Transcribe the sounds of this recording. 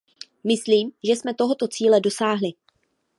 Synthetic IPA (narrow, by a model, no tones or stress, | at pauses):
mɪsliːmʒɛsmɛt̪o̞ɦo̞t̪o̞t͡siːlɛdo̞saːɦlɪ